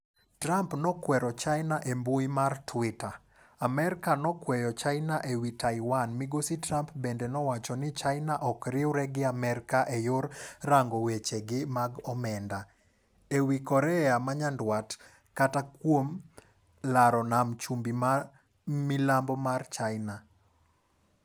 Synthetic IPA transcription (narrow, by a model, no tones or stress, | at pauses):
tɾampnɔkwɛɾɔt͡ʃajnaʔembujmartʰwɪtaː | mɛɾɪkanɔkwɛjɔt͡ʃajnaʔewitajwanmiɡositɾampbendenɔwat͡ʃɔnɪt͡ʃajnaʔɔkɾɪwɾɛɡɪamɛɾkaʔejʊrraŋɡɔwet͡ʃeɡɪmaɡɔmɛnda | ewikɔɾɛamaɲandwat | katakwom | laɾɔnamt͡ʃumbima | mɪlambɔmart͡ʃajna